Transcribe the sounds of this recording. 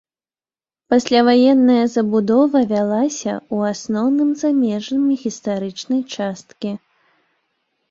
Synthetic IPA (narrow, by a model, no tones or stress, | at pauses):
pasʲlʲavajɛnːɐjɐzɐbud̪ɔvɐvʲalˠasʲɐ̰uasnɔwnɨmzamʲɛʐnɨmʲiɣʲist̪aɾɨt͡ʂnɐjt͡ʂast̪kʲi